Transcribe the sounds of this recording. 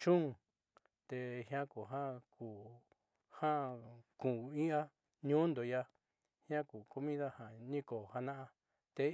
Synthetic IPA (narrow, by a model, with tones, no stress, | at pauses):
t͡ʃũ˦ŋ˨ | t̪e˧hj̃ã˦ku˨ɦã˦kʰu˨ | hã˦kũ˨i˦a˦ | ɲũ˦nd̪o˨ja˧ | hj̃ã˦ku˨ko˧mĩ˦ða˦hã˨nĩ˦ko˨ha˧nã˦ʔã˧ | t̪e˧